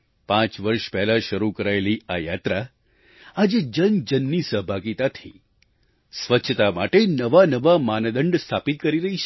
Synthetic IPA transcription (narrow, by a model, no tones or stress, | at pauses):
pãt͡ʃʋəɾʃpɛɦlaʃəɾukəɾaeliajat̪ɾa | ad͡ʒed͡ʒənd͡ʒənːisəɦbʱaɡit̪at̪ʰḭ | sʋətːʃʰət̪amaʈenəʋanəʋamand̪əɳɖst̪ʰapit̪̚kəɾiɾəɦit͡ʃʰe